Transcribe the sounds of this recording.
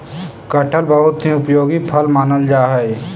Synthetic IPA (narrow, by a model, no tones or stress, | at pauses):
kəʈʰəlbəɦʊt̪ɦĩʊpjoːɡipʰəlmaːnəld͡ʒaːɦɛe